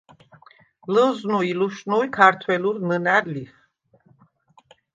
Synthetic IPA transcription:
ləznuiluʃnujkʰaɾt̪ʰwɛluɾnənæɾliχ

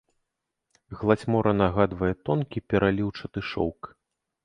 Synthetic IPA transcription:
ɣlˠat͡sʲmɔɾʔɐnaɣad̪vɐjɛt̪ɔnkʲipʲɛɾʔalʲiwt͡ʂɐt̪ɨʂɔ̰wk

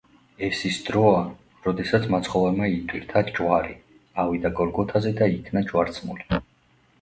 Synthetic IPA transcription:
ɛfsisd̪ɾɔa | ɾɔd̪ɛsat̪sʰmat̪sʰχɔvɛɾmait̪ʰwiɾt̪ʰad͡ʒwaɾi | avid̪aɡɔɾɡɔt̪ʰazɛd̪aikʰnad͡ʒwaɾt̪sʰmuli

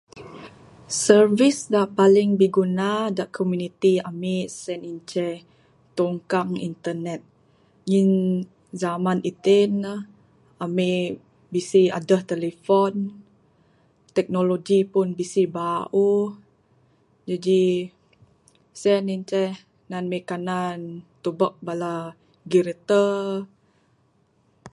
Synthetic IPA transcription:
sərvisdaʔpaliŋbiɡunadaʔkʰomjunit̪iamesɛnint͡ʃɛ | t̪oŋkaŋḭnt̪ənɛt̪̚ | ŋin | zamãnit̪en | ame | bisia̰dəht̪ɛlefon | t̪ɛk̚noloɡipunbisibaʔu | d͡ʒadi | sɛniɲt͡ʃɛh | nanmekanant̪ubəʔ̚bala | ɡiɾt̪ə

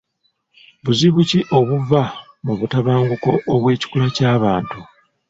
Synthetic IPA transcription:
βuziβuciʔo̞βuva | muβutaβaːŋɡuko̞ʔːβwe̞ːci̥kulacaːβaːntu

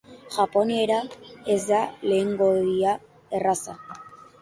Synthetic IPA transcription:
ʝapo̞nie̞ɾaezd̪ale̞ːŋɡo̞ia | e̞rasa

